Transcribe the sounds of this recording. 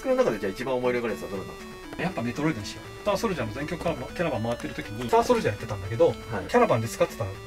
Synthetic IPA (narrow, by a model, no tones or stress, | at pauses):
kɯnonakad̪ed͡ʑaːit͡ɕibãomo̞iɾʲeɡaɾeesɨad̪oɾonã̰nesk | japːame̞t̪oɾoid̪ẽɕiot̪aːsoɾɯ̟ʑãmozẽ̞ŋkʲo̞kkːaɾakʲaɾabãmaβat̪ːe̞ɾɯ̟t̪o̞kʲiɲit̪aːsoɾɯ̟ʑãjat̪ːe̞t̪ãnd̪ake̞d̪o̞hakʲaɾabãnd̪esɨ̥kat̪e̥t̪a